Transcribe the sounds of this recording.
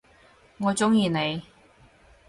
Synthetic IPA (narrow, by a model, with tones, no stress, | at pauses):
ŋɔː˨˧t͡sʊ˥ŋjiː˨˧ne˨˧j